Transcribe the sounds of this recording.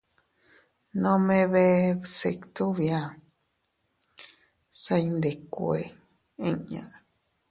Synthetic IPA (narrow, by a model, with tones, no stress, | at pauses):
nõ˧mẽ˧βe˧se˧kt̪u˦βjã˧ | sa˧i˧nd̪e˨ku˧e˧ | ẽ˦ɲã̰˨˧